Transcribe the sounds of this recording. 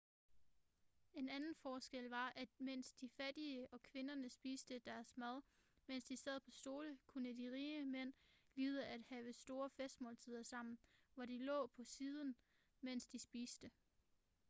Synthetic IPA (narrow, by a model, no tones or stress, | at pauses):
e̝nænn̩fɒːsɡ̥el̰ʋɑ̈ʔæ̥men̰sd̥ifæd̥iəʔɒ̽kʰʋe̝nɐnəsb̥iːsd̥əd̥æɐsmæð̞ˠ | men̰sd̥isɛð̞̰ˠpʰɒ̽sd̥o̝ːləkʰunəd̥iʁiːəmen̰liːð̞ˠəʔæd̥hɛːʊəsd̥o̝ːɐfesd̥mɒ̰ːlt͡sʰiðˠɐsɑ̈m̰n̩ʋɒd̥ilɔ̰̽ːpʰɒ̽siːð̞ˠn̩ | men̰sd̥isb̥iːsd̥ə